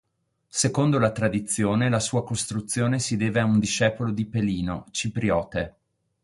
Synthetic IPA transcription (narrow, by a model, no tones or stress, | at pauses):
sekond̪olat̪ɾad̪it̪sːjoːnelasuːakost̪ɾut̪sːjoːnesid̪eːveaund̪iʃɛːpolod̪ipeliːnot͡ʃipɾiɔːt̪e